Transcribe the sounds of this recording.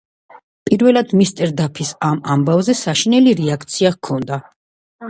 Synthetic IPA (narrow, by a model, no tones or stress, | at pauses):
pʼiɾvɛlˠad̪̥mist̪ʼɛɾd̪apʰisamambavzɛsaʃinɛliɾɛakʰt̪sʰiakʰɔnd̪a